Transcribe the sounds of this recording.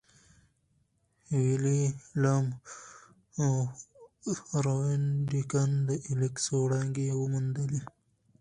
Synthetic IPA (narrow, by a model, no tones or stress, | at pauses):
wililam | ɾowinɖikand̪əʔiliksoɽaŋɡewəmund̪əli